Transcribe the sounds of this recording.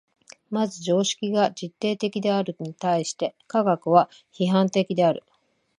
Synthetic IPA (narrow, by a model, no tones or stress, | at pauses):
mazɨʑo̞ːɕi̥kʲiɡad͡ʑit̪ːe̞ːt̪e̞kʲid̪e̞aɾɯ̟ɲ̟it̪aiɕi̥t̪e̞kaɡakɯ̟βa | çiɦãnt̪e̞kʲid̪e̞aɾɯ̟